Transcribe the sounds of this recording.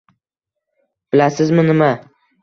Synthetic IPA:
b̥ɪlasɪzmɪnɪma

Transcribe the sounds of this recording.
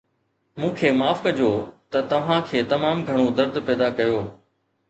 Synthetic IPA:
mũːkʰeːmaːfkɐd͡ʑʱoːt̪ɐt̪ɐʋ̤ãkʰeːt̪ɐmaːmɡʱɐɽ̃od̪ɐɾd̪pɛːd̪akɐjoː

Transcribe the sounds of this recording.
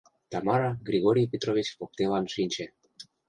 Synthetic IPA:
t̪ɑmɑɾɑɣɾiɣoɾipet̪ɾoβit͡ɕpop̚t̪elɑnʃinʲt͡ɕe

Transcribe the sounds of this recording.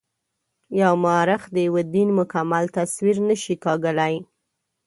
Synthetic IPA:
jawmɑɾɪxd̪əjawəd̪inmʊkamalt̪aswiɾnəʃikɑɡəlaj

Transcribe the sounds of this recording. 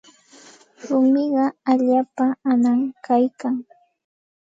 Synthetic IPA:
ɾʊmɪɢɑaʎaːpaanaŋkʰajkaŋ

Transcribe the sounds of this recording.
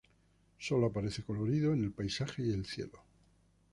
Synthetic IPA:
so̞loapaɾe̞θe̞ko̞lo̞ɾiðoene̞lpajsaxe̞ie̞lθje̞̰lo

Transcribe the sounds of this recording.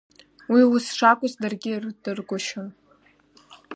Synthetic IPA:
wiwʊsʂakʷʼʊzdarɡʲirdɨrɡʷʊʃan

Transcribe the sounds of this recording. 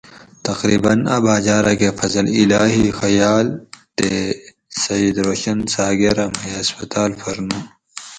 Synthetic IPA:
t̪ɐqɾiːbɐna̰baːd͡ʑaːɾakefɐzɐlilaːɦixɐjaːlt̪e | sɐjid̪ɾoːɕɐnsaːɡeɾɐmhɐjɐspɐt̪aːlfɐɾnuː

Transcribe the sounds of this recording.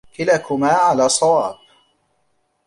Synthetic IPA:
kɪlakʊmaːʕalaːsˤɑwɑːb̚

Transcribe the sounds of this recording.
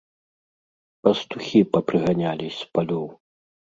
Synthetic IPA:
pɐst̪uxʲipɐpɾɨɣanʲalʲispalʲɔw

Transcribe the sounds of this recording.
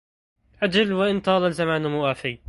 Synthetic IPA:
ʔad͡ʒalwaʔɪnt̪ɑːlɑlzamaːnmʊʔaːfɪj

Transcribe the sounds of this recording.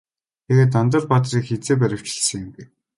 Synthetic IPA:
t̪ʰeɣeːt̪̬ːant̪ə̆rpat̪riːkxet͡seːp̬æɾʲɪ̆w̥t͡ɕɪ̆ɮsə̆ŋɪmɡĕ

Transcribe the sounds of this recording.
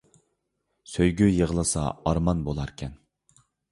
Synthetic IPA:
søjɡʲyjəʁlˠɨsɑ̰ɑɾmɑnbolˠɑɾkʲʰɛn

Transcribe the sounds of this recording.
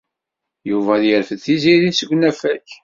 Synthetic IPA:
juvæðjəɾfəθiziɾisəɡʷnæfæç

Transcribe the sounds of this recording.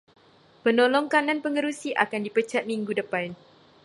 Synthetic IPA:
pənolɔŋkanãnpəŋəɾusiʔa̰kandipət͡ʃat̪̚miŋɡudəpan

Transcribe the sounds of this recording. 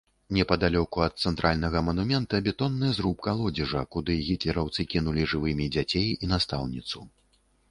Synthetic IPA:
nʲɛpɐd̪alʲɔkuɐt̪̚sɛnt̪ɾʔalʲnɐɣɐmɐnumʲɛnt̪ɐbʲɛt̪ɔnːɨjɐzɾup̚kalˠɔd͡zʲiʐɐkud̪ɨɣʲit̪lʲɛɾawt̪sɨkʲinulʲiʐɨvɨmʲid͡zʲat͡sʲejinast̪a̰wnʲit̪su

